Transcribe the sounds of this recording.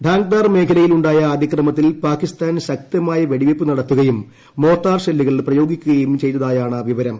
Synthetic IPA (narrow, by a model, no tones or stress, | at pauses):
ɖʱaːŋɡ̚d̪aːrme̞ːkʰɐlɐjiluɳɖaːjɐːd̪ʱikrɐmɐt̪̬ːilpaːkːist̪aːnɕɐk̚t̪jɐmaːjɐʋeɽiʋepːɨnɐɽɐt̪ːuɣɐjumː | o̞ːt̪ːaːrɕelːiɣɐɭprɐjo̞ːɡikʲːuɣɐjumt͡ɕe̞jnːɐðaːjaːɳɐʋiʋɐɾɐm